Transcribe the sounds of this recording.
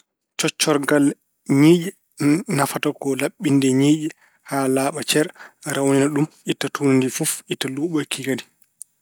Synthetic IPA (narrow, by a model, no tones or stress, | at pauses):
t͡ʃɔt͡ʃːɔɾɡal | ɲiːd͡ʒi | nafatakɔlaɓːindɛɲiːɗi | haːlaːɓat͡ʃɛɾɾʔawninaɗumʔitːatʰuːnandifufitːaluːɓɔjkiɡadi